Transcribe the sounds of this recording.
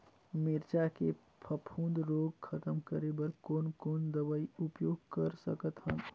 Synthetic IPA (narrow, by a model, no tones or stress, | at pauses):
mɪɾt͡ʃake | pʰəpʰũːnd̪ɾoːɡkʰɐt̪əmkəɾebəɾkoːnkoːnd̪əʋəiʊpjoːɡ̚kəɾsəkət̪ɦə̃